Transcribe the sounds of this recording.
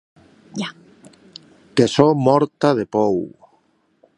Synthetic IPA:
a | kesomɔɾt̪að̞epɔw

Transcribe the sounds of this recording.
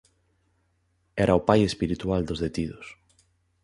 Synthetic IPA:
ɛɾʔaopajespiɾit̪uald̪ozðet̪iðʊs

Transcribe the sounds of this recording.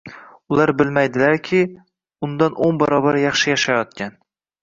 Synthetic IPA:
ʊlˠaɾbɪlmajd̪ɪlaɾkʲʰɪ | ʊnd̪anʔonbaɾɒbaɾjɑχʃɪjaʃajɒt̪̚kʲʰan

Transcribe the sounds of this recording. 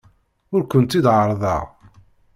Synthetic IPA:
ʊɾkʷənt̪id̪ʕəɾˤðˤɑ̰ʁ

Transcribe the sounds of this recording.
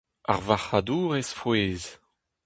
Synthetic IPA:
a̰ʁvaχad̪uːʁesfweːz

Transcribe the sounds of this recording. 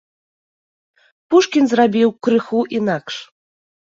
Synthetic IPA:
puʂkʲinzrabʲiwkɾɨxuʔinakʂ

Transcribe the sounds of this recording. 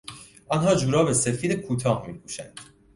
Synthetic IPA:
ʔɒnɦɒːd͡ʒuːɾɒːbesefiːd̪ekʰuːt̪ʰɒːhmiːkʰuːʃænd̪̥

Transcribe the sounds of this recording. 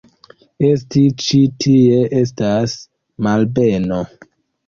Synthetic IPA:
estit͡ʃitʰieʔes̬tas | malbeno

